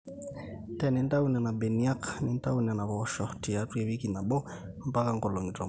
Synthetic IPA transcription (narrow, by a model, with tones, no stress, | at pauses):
tɛ˦˨ni˨˦nta˦u˦na˨na˨bɛ˨ni˦a˦kni˦n˦ta˦u˨na˨na˨βɔ˨ʃɔ˨ti˨a˨˦twɛ˨βi˦ki˨na˨ɓɔ˦ | m˦pa˦ka˦ŋɡɔ˨lɔ˨ŋi˨twa̰˨